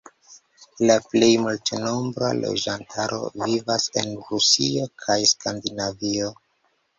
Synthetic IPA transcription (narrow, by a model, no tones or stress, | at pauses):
laple̞jmultno̞mbɾa̰lo̞̰d͡ʒantʰaɾʔo̞̰vivase̞nɾusio̞kʰajskʰandinavio